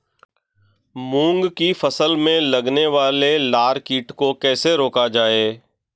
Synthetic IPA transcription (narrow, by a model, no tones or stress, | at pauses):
mũːŋɡkifɐsəlmẽlɐɡneʋaːlelaːɾkiːʈkokɛːseɾoːkad͡ʒaːeː